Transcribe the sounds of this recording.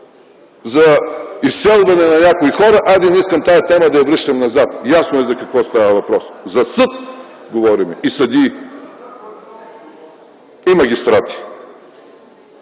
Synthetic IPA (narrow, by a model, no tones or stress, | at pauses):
zɐisːɛlˠvɐnɛnɐnʲakoixɔɾɐʔad̪ɛniskɐmt̪ajɐt̪ɛmɐd̪ɐjɐvɾɛʃt̪ɐmnɐzat̪̚jasnoɛzɐkɐkvɔst̪avəvɐpɾɔszɐsɤt̪ | ɡovɔɾimɛisɐd̪i | imɐɡʲist̪ɾat̪i̥